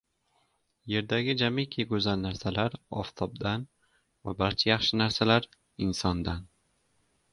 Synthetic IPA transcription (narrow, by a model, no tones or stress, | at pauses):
je̞ɾd̪aɡʲɪd͡ʒamɪkʲʰeɡɵzanːaɾsalaɾɒ̰ft̪ʰɒb̚d̪an | vabaɾt͡ʃʰajɑχʃɪnaɾsalaɾ | ɪnsɒnd̪an